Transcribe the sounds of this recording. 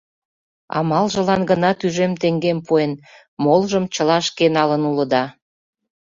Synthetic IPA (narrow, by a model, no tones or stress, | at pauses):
ɑ̰mɑlʒə̆lɑnɡənɑt̪yʒemt̪eŋɡempuen | molʒəmt͡ɕəlɑʃkenɑlənuləd̪ɑ